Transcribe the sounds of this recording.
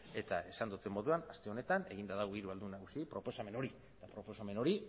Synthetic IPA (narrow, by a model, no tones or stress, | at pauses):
e̞t̪ae̞sand̪ut͡s̪emːo̞ðuanast̪e̞o̞ne̞t̪ane̞ɣ̞ind̪aðaɣuiɾuald̪unaɣusipɾo̞po̞same̞no̞ɾiet̪apɾo̞po̞same̞no̞ɾi